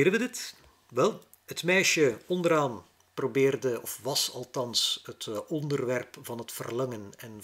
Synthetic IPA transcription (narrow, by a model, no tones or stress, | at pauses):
ɾəʋədɪt | ʋɛlˠ | hətmɛːʃəɔndəɾaːn | probɪːrdəɔfʋɑsɑlˠtɑnsɦətɔndərʋɛrpv̥ɑnɦətfərlɑŋənɛn